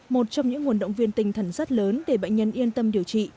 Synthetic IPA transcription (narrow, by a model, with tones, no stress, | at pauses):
mo˨˩t̚t͡ɕɔ˧wŋ͡mɲɨ̰˧˥ŋːu˨˩ənɗə̰˧˨wŋ͡mvi˧ənt̪ï˨˩ŋ̟t̪ʰa˨˩ŋ̟saː˦˥t̚ləː˨˦nɗe˧˩ɓa̰˧˨jɲə˧nʔi˧ənt̪ə˧mɗi˨˩əwt͡ɕḭ˧˨